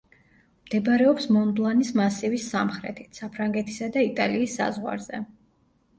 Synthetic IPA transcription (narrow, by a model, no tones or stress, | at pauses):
md̪̥ɛbɾɛɔpsmɔnb̪lˠanismasivisamχɾɛ̰t̪ʰi̥t̪ʰsapʰɾaŋɡɛt̪ʰi̥sad̪ait̪ʼaliːsːa̰zʁwa̰ɾzɛ